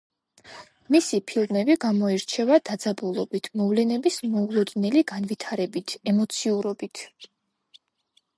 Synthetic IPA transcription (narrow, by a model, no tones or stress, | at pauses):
misipʰilˠmɛbiɡamɔiɾt͡ʃʰɛvad̪̥ad̪zabulˠɔbit̪ʰmɔvlɛnɛbismɔulˠɔd̪nɛliɡanvit̪ʰaɾɛbit̪ʰɛmɔt̪sʰiuɾɔbit̪ʰ